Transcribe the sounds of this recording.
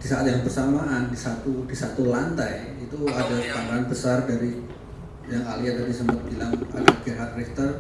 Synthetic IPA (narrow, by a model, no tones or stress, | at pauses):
d̥isaat̪̚jaŋbərsamaʔːndisat̪ud̥isat̪ulant̪aj | it̪uadapaɾanbəsardaɾi | jaŋaliat̪adisəmbət̪̚bilaŋa̰daɡirɦat̪̚rɛft̪ər